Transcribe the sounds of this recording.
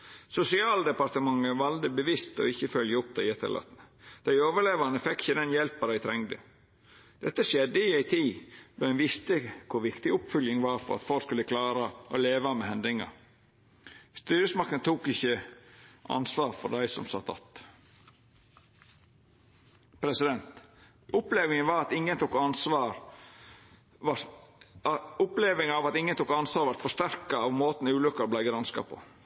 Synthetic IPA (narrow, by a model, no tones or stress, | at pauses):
sʊsɪɑːld̪ɛpɑɾt̪əmɑŋəʋɑld̪əbəʋɪst̪ɔ̰ɪçːəfœljəʊp̚d̪æɪɛt̪ʰːə̰lʔɑ̰t̪nəd̪̥æɪoːʋəɭeːʋɑnəfɛkːɪçəd̪ɛnjɛlpəd̪æɪt̪ʰɾɛŋd̪ə̰ | d̪̥ɛt̪ːəʂjɛd̪ːəɪæɪt̪ʰiːd̪oːæɪnʋɪst̪əkʰʊɾʋɪkt̪ɪʊpfœljəŋʋɑːɾfɔ̰ɾɑ̰t̪fɔlkskʉlːəkʰlɑːɾɑʔɔleːʋɑmehɛnd̪ɪŋɑ̰ | st̪yːɾəsmɑk̚t̪ənt̪ʰuːkɪçːə | ʔɑ̰nsʋɑːɾfɔ̰d̪æɪsɔ̰msɑt̪ːɑ̰t̪ | pʰɾɛsɪd̪ɛnt̪ | ʊpleːʋɪŋənʋɑːɾɑt̪ɪŋːənt̪ʰuːkɑnsʋɑːɾ | ɑ | ʊpleːʋɪŋɑʋɑt̪ɪŋːənt̪ʰuːkɑnsʋɑːɾʋæɾt̪fɔʂt̪æɾkɑɑʋmoːt̪n̩ʉːlʏkːɑɾɔblæɪɡɾɑnskɑ̰pʰɔ̰